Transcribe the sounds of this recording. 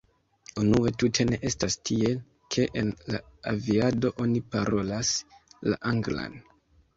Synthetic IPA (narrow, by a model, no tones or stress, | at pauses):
unue̞tutʰe̞ne̞ʔe̞stastʰie̞ | kʰe̞ʔenlaaviado̞ʔo̞nipaɾʔo̞lasla̰ʔaŋɡla̰n